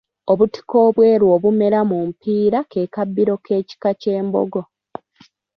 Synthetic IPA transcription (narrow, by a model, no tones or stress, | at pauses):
o̞βuti̥ko̞ːβwe̞ːɾwo̞ːβume̞ɾamumpiːɾake̞ːkabːiɾo̞kʰe̞ːci̥kace̞ːmbo̞̰ɡo̞